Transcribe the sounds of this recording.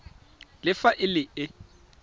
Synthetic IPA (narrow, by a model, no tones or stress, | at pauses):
lɪfaʔɪlɪɪ